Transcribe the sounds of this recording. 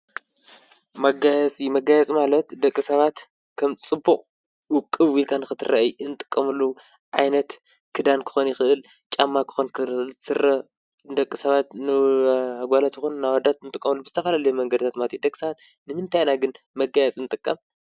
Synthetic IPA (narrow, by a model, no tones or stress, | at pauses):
mɐɡajɛt͡sʼimɐɡajɛt͡sʼmalɐt̪d̪ɐkʼːisɐβat̪ | kʰɐmt͡sʼɨbːuχʼ | wʊkʼːɨwilkʰanɨxɨt̪ʰɨɾɐʔjɨnt̪ʼɨkʼːɐmɨlːu | ʕajnɐt̪ | kʰɨd̪ankʰɨ̥xonjɪxɨʔɨl | t͡ʃʼamːakʰɨ̥xonkʰɨlsɨrɐ | d̪ɐkʼːisɐβat̪nɨaɡʷalat̪ʰixunːawad̪at̪ɨnt̪ʼɨkʼːɐmɨlːubɨzɨt̪ʰɐfɐlalɐjumɐŋɡɐd̪ɨt̪ʰat̪mat̪ʰid̪ɐkʼːsɐβat̪ | nɨmɨnt̪ʰajnaɡɨn | mɐɡajɛt͡sʼinɨt̪ʼɨkʼːɐm